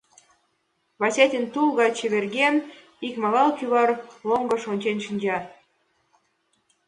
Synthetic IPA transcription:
βɑsʲet̪ʲint̪ulɣɑt͡ɕĕβerɣen | ikmɑlɑlkyβɑrloŋɡɤ̆ʃonʲt͡ɕenʃinʲd͡ʑɑr

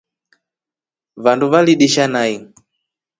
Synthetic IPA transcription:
vanduβaliɗiʃanai

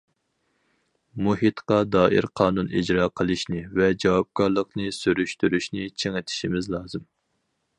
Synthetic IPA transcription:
muɦit̪qɑd̪ɑːɪ̰ɾqʰɑːnunʔid͡ʒɾɑːqʰəlˠɨʃnɪvɛd͡ʒɑwɑp̚kʰɑɾlˠəqnɨsyɾyʃt̪yɾyʃnɪt͡ʃʰeŋɪt̪ʰɪ̥ʃimɪzlˠɑːzɨm

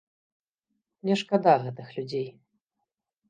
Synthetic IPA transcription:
nʲɛʂkad̪aɣɛt̪ɨxlʲud͡zʲej

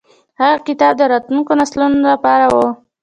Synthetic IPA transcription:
haɣakɪt̪ɑb̚d̪əɾɑt̪uŋkonaslunolapɑɾawo

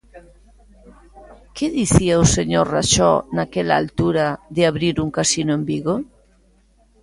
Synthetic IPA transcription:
keðiθiaoseɲoɾraʃɔnakela̰a̰lt̪uɾaðeaβɾiɾuŋkasinoembiɣo

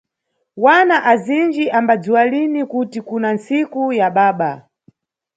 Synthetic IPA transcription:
wanaʔazind͡ʒiʔambad͡ziwalinikutikunant͡sikujaɓaːɓa

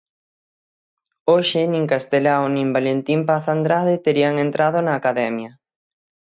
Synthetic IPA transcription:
oʃɪnĩŋkast̪elawnĩmbalent̪impaθand̪ɾaðɪt̪eɾiaŋent̪ɾʔaðonaːkaðɛmjɐ

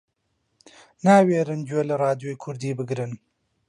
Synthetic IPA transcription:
naːweːɾɨnd͡ʒelɐɾɑːd̪jojkʰʊɾd̪iːbɨɡɾɨn

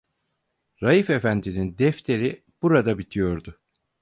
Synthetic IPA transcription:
ɾajifefænd̪inind̪ɛft̪ʰe̞ɾi | b̥uɾad̪abit̪ʰijo̞ɾd̪ʊ

